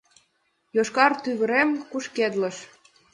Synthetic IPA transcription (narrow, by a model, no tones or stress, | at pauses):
joʃkɑrt̪yɣə̆ɾemkuʃked̪lə̆ʃ